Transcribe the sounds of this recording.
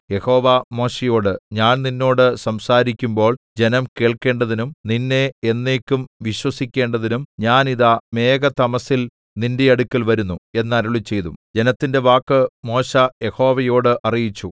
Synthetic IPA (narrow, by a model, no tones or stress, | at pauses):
je̞ho̞ːʋɐmo̞ːɕejo̞ːɽɨɲaːnninːo̞ːɽɨsɐmsaːɾikʲːumbo̞ːɭd͡ʑe̞nɐmke̞ːɭke̞ːɳɖɐðinumninːe̞enːe̞ːkʲːumʋiɕwɐsikʲːe̞ːɳɖɐðinumɲaːniðɐme̞ːɡɐt̪ɐmɐsil | ninde̞ɐɽukʲːɐlʋɐɾunːue̞nːɐɾuɭit͡ɕːe̞jðumd͡ʑe̞nɐt̪ːinde̞ʋaːkːɨmo̞ːɕɐje̞ho̞ːʋɐjo̞ːɽɨʔɐrijit͡ɕːu